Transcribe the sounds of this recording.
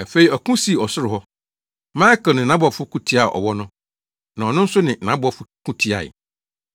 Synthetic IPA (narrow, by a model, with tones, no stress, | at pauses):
æ˨fe˨i˨ɔ˨kũ˦si˦˨ɔ˨sʊ˦ɾɪ˨ɦɔ˦ | mã˦ɛ˦kə˨nʊ̃˨nã˦bɔ˨fʊ˦kʰũ˦tʰi˦a˨ʔɔ̰˨wɔ˦nʊ̃˦ | nã˨ɔ˨nʊ̃˦n̩˦sʊ˦nɪ̃˨nã˦bɔ˨fʊ˦kʰũ˦tʰi˦a̰˨